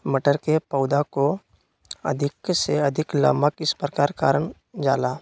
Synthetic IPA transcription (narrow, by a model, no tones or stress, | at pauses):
məʈəɾkepəʊd̪ako | ɐ̰d̪ʱɪkseɐd̪ʱɪkla̰makɪspɾəkaːɾka̰ːɾəɳ | d͡ʒa̰ːlaː